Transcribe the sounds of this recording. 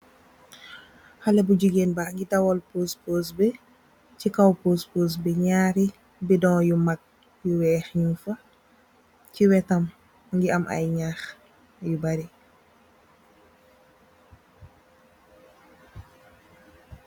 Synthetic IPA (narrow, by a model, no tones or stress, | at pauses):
xɐlɛbuɟuɡeːnbaːŋɡidɐwɔlpoːspoːsbɛ | cikawpoːspoːs̬bɛɲaːɾi | bidɔŋjumak̚ | juwɛːxɲunfɐ | ciwɛtɐm | ŋɡiɐmʔɐ̰jɲaːx | jubaɾi